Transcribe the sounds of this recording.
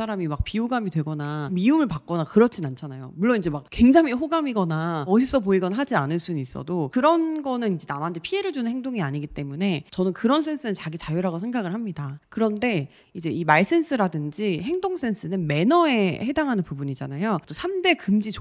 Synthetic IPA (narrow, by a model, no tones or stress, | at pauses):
aɾamimak̚piuɡamidwe̞ɡʌnamiumɯɭpak̚k͈ʌnakɯɾʌt͡ɕʰinant͡ɕʰanajo̰muɭːonid͡ʑe̞mak̚kwe̞ŋd͡ʑaŋiɸoɡamiɡʌnaʌɕʰis͈ʌpoiɡʌnɦad͡ʑianɯɭs͈unnis͈ʌ̰dokɯɾʌnɡʌnɯnid͡ʑe̞namandepʰie̞ɾɯɭd͡ʑunɯnheŋdoŋiaɲiɡit͈e̞mune̞t͡ɕʌnɯnkɯɾʌns̬ʰe̞nsʰɯnɯnt͡ɕaɡit͡ɕajuɾaɡosʰe̞ŋɡaɡɯɭhamɲidakɯɾʌnde̞ | id͡ʑe̞imaɭs͈e̞nsʰɯɾadɯnd͡ʑihe̞ŋdoŋs͈ʰe̞nsʰɯnɯnme̞nʌe̞he̞daŋɦanɯnpubuɲid͡ʑa̰najot͈osʰamde̞kɯmd͡ʑit͡ɕ